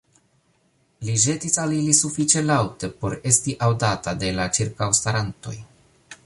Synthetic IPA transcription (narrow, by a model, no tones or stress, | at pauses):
liʒe̞tisalilisufit͡ʃe̞lawte̞po̞ɾe̞stiʔawdatade̞lat͡ʃiɾkawstaɾanto̞̰j